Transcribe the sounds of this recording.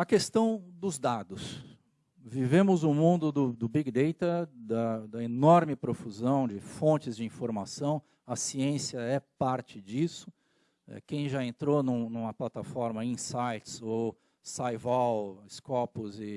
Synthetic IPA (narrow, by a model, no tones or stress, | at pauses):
ɐkest̪ɐ̃w̃d̪ʊzd̪ad̪ʊs | vivẽmʊzʊmũnd̪ʊd̪ʊd̪ʊbiɡd̪ejt̪ɐd̪ɐd̪ɐenɔɾmɪpɾofuzɐ̃w̃d͡ʒɪfõnt͡ʃɪzd͡ʒɪĩfoɾmasɐ̃w̃ | ɐsiẽsjɐɛpaɾt͡ʃɪd͡ʒisʊ̥ | ɛ̰kẽj̃ʒaẽnt̪ɾonũnũmɐplat̪afɔɾmɐĩsajt͡ʃɪ̥so | sajvawɪskɔpʊzɪ